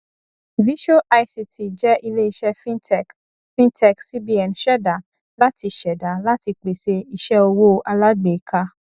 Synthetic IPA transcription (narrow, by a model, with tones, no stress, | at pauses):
vi˦ʃo˦ʔa˧jsi˨tʰi˨d͡ʒɛ˦ʔi˧le˦i˦ʃɛ˦fi˦ɛ˨ | fĩ˦ntɛ˦ksi˦bi˦ɛ˨nʃɛ˦da˨ | la˦ti˧ʃɛ˨da˨la˦ti˧k͡pe˨se˧i˦ʃɛ˦o˧wo˦ʔa˧la˦ɡ͡be˨kʰa˦